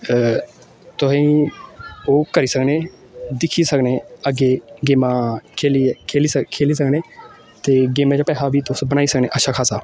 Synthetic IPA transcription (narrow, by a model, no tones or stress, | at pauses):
t̪ʊsãi | oːkəɾiːsəkneː | d̪ɪkʰiːsəkneːəɡeːɡeːmaːkʰelikʰeːliskʰeːliːs̬əkneː | t̪eːɡeːmãːd͡ʒaːpɛːɦaːbiːt̪ʊsbənaːiːsəkneːʔəʃʰaːkʰaːsaː